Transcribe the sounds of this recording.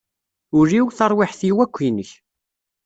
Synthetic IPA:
ʊɾiwθɑɾˤwɪħθiwækʷːinəç

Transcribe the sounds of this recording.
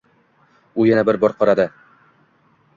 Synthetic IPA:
ujanabɪɾbɒɾqɒɾad̪ɪ

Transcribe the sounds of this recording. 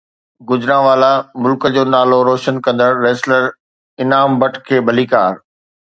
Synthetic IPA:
ɡʊzɾãːʋaːlamʊlkəd͡ʑoːnaːloɾoːʃənkɐ̃nd̪əɾːeːsləɾ | ɪnaːmbɐʈʰkʰeːbʱɐliːkaːɾ

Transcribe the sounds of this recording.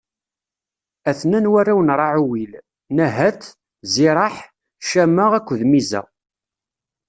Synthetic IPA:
æθnænwærˤːawənɾˤɑʕuwil | næɦæt̪ | zɪɾˤɑħ | ʃæmːəʁækʷːðmizæ̰

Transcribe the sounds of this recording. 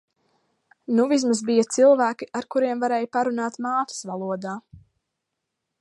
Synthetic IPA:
nuvis̬masbijat̪silˠvæːkiʔaɾkuɾiɛmvaɾɛːjpaɾunaːt̪maːt̪ḁsvalˠuɔd̪aː

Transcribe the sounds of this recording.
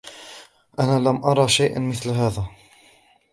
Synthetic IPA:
ʔanaːlamʔɑɾˤɑːʃajʔnmɪθlɦaːða

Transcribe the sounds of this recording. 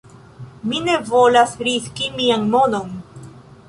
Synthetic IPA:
mine̞vo̞lasɾiskimiaŋmonon

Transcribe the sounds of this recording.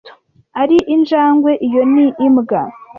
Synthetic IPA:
aɾiʔind͡ʒaːŋɡwe̞ʔijo̞niʔːmɡa

